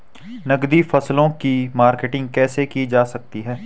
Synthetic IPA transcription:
nɐɡd̪ifɐslõkimaːɾkeːʈɪ̃ŋɡ̚kɛːsekid͡ʒaːsɐk̚t̪iɦɛː

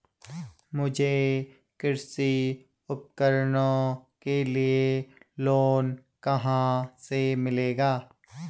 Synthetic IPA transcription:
mʊd͡ʒʱe | kɪɾsi | ʊp̚kəɾnõkelieloːnkəɦãsemɪleːɡaː

